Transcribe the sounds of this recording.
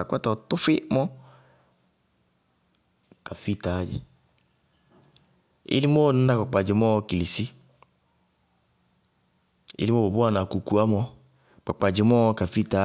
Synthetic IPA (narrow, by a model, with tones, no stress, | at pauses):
kʷa˦tɔ˨˧tʊ˦fɪ˦mɔ˦ | ka˨fi˦˨ta˨˦d͡ʒɛ̰˨ | ḛ˦li˦mɔ˦˨n̩˦na˦k͡pɔ˨k͡pa˨d͡ʒi˨mɔ˦˧ki˨li˨si˦ | ḛ˦li˦mɔ˦bo˨bu˦a˦˨na˨ku˨ku˨˦a˦mɔ˧ | k͡pa˨k͡pa˨d͡ʒi˨mɔ˦˧ka˨fi˦˨ta˨˦